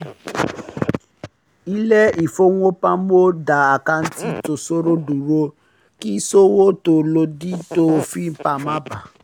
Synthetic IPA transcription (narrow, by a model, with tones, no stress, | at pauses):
i˦lɛ˦i˨fo˦w̃o˦pã˦o˦da˨a˨ka˧n̩˦ti˦to˨so˦ɾo˦du˨ɾo˧ | ki˦so˦wo˦to˧˨lo˧di˦to˦˧˦fi˦m̩˦pa˧˨mã˦ba˨